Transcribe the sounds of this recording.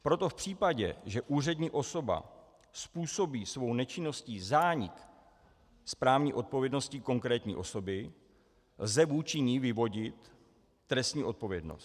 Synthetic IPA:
pɾo̞t̪o̞fpr̥iːpaɟɛ̰ʒɛʔuːr̝ɛdɲiːʔo̞so̞ba̰ | spuːso̞biːsvo̞wnɛt͡ʃɪno̞scizaːɲɪk | spɾaːvɲiːʔo̞t̪̚povjɛdno̞scɪko̞ŋkɾɛːt̪ɲḭːʔo̞so̞bɪ | lzɛvuːt͡ʃɪɲivɪvo̞ɟɪt̪ː | ɾɛst̪ɲiːʔo̞t̪̚po̞vjɛdno̰st̪

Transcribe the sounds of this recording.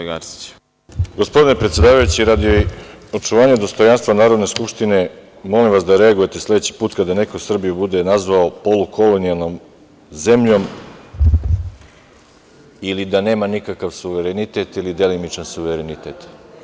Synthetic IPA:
ɡaɾsi̥t͡ɕ | ɡo̞spo̞d̪ine̞pɾet̪sje̞d̪aːʋajut͡ɕiɾad̪ioo̞t͡ʂt͡ʃuʋaːɲed̪o̞st̪o̞janst̪vʋanaːɾod̪ne̞skupʂt̪ine̞ | mo̞limʋasd̪aɾe̞aɡuje̞t̪e̞slˠe̞d̪et͡ɕi̥puːt̪kad̪ane̞kosr̩bijubud̪e̞nazʋaopo̞lukʰo̞lonijalˠno̞m | ze̞mʎo̞m | ilid̪ane̞ːmanikakaʋsuʋeɾenit̪e̞t̪ilid̪e̞limit͡ʃansuʋeɾenit̪et̪

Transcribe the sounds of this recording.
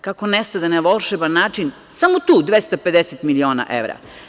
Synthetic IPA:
kakonest̪ad̪anaʋolˠʃebanːaːt͡ʃin | samot̪uːd̪ʋest̪ape̞d̪eset̪milio̞ːna̰ʔḛʋɾa̰

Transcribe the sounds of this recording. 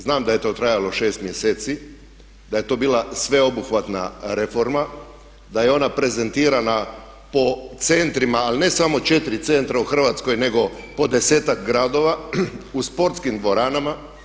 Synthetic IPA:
znaːmd̪aje̞t̪o̞t̪ɾajalo̞ʃe̞ːst̪mje̞seːt̪si | d̪aje̞t̪o̞ːbiːlˠasʋe̞o̞buxʋat̪na̰ɾe̞fo̞ɾma | d̪aje̞o̞napɾe̞ze̞nt̪iːɾana | po̞t̪se̞nt̪ɾimaːline̞samo̞t͡ʃe̞t̪iɾit̪se̞nt̪ɾauxr̩ʋat̪sko̞jne̞ɡo̞po̞d̪e̞se̞ːt̪akɡɾad̪o̞ːʋauspo̞ɾt̪skind̪ʋo̞ɾaːnama

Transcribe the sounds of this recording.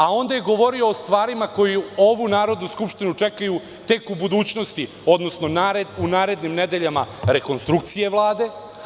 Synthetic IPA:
ao̞nd̪aje̞ɡo̞ʋo̞ɾio̞ːst̪ʋaːɾimako̞jio̞ʋunaːɾo̞d̪nuskupʂt̪inut͡ʂekaju | t̪e̞kubud̪uːt͡ɕno̞st̪i | o̞d̪no̞sno̞naːɾed̪unaːɾe̞d̪nimne̞d̪e̞ʎamaɾe̞ko̞nst̪ɾuk̚t̪sije̞ʋlˠaːd̪e̞

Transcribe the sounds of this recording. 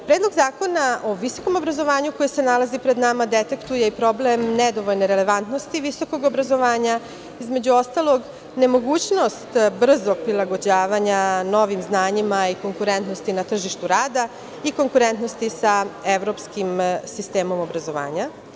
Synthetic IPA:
pɾeːd̪lˠo̞ɡzaːko̞naʔo̞ʋiso̞̥ko̞mo̞bɾazo̞ʋaːɲukojese̞nalazipɾe̞d̪namad̪et̪ekt̪uje̞ipɾo̞blemned̪oʋoʎneɾele̞ʋant̪nost̪iʋiso̞ko̞ɡo̞bɾazo̞ʋaːɲa | izme̞d͡ʑuo̞st̪alˠo̞ɡ | ne̞mo̞ɡuːt͡ɕno̞st̪br̩zoɡ̥̚pɾilaɡo̞d͡ʑaːʋaɲano̞ʋimznaːɲimaiko̞ŋkuɾe̞nt̪no̞st̪inat̪r̩ʒiʃt̪uɾaːd̪a | iko̞ŋkuɾe̞nt̪no̞st̪isaeʋɾo̞ːpskimsist̪e̞ːmo̞mo̞bɾazo̞ʋa̰ːɲa

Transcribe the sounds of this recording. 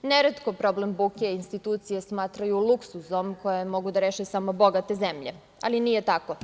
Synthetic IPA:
neɾet̪kopɾo̞blembukeinst̪it̪uːt̪sijesmaːt̪ɾajuluksuzomkojemo̞ɡud̪aɾeːʃesamobo̞ɡat̪e̞zemʎe | alinijet̪ako

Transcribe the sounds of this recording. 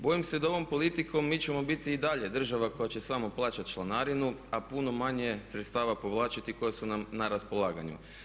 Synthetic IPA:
bo̞jimse̞d̪ao̞ʋo̞mpo̞lit̪iko̞mːiːt͡ɕe̞mo̞bit̪iːd̪aʎe̞d̪r̩ʒaʋako̞jat͡ɕe̞samo̞plˠaːt͡ʃat̪ʃlˠanaɾinuapuno̞maɲe̞sɾet̪st̪aːʋapo̞ʋlˠaːt͡ʃat̪iko̞jesunamnaɾaspo̞lˠaːɡaɲṵ

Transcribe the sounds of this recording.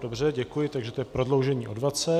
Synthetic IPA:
dobr̝ɛɟɛkujɪt̪aɡʒɛt̪ojɛpɾo̞dlo̞wʒɛɲiːʔo̞dvat͡sɛ

